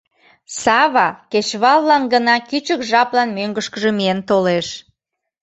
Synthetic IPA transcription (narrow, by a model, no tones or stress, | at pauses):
sɑβɑket͡ɕβɑlːɑnɡənɑkyt͡ɕəkʒɑplɑnmøŋɡəʃkəʒəmient̪oleʃ